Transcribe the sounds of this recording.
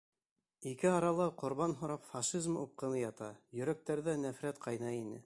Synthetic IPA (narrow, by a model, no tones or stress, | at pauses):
ikɘɑɾɑlˠɑqŏɾβɑnɦŏɾɑpfɑʃizmup̚qɤ̆nɤjɑt̪ɑjɵ̆ɾæk̚t̪æɾðænæfɾæt̪qʰɑjnɑinɘ̰